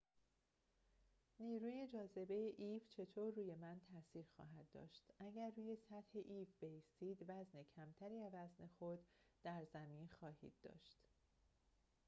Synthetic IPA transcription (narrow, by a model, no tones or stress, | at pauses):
niːɾuːje̞d͡ʒɒːze̞be̞jeʔiːvt͡ʃʰe̞t̪ʰoːɾːuːje̞mænt̪ʰæsiːɾxɒ̰ːɦæd̪ːɒ̰ːʃt̪ʔæɟæɾːuːje̞sæt̪he̞ʔiːvbe̞jiːst̪iːd̪væzne̞cʰæmt̪ʰæɾiːævæzne̞xod̪̥ːæɾzæmiːnxɒːhḭːd̪̥ːɒ̰ːʃt̪